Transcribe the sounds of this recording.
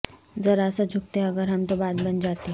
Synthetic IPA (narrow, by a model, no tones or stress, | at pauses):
zɐɾaːsad͡ʒʱʊk̚t̪eɐɡəɾɦɐmt̪obaːt̪bɐnd͡ʒaːt̪i